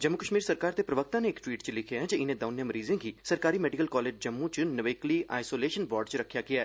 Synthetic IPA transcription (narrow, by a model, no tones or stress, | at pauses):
d͡ʒəmːʊkəʃmiːɾsəɾkaːɾt̪epɾəʋək̚t̪ãneːkʈʋiːʈt͡ʃlɪkʰjaɦɛd͡ʒəɪnẽːd̪ɐːnjəmɾiːzẽɡisɐɾkaːɾimɛːɖɪkəlkɔːleːd͡ʒd͡ʒəmːũt͡ʃnəʋeːkliʔa̰ːɪsoːleːʃənbɔːɾɖt͡ʃɾəkʰːjakɪjaɛː